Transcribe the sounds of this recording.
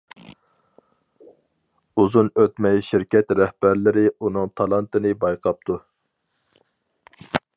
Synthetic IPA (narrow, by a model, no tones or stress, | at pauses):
uzunøt̪mɛjʃiɾkʲɛt̪ɾɛhb̥æɾlɪɾɪunɨŋt̪ʰɑlˠɑnt̪ɨnɨbɑjqʰɑp̚t̪ʰu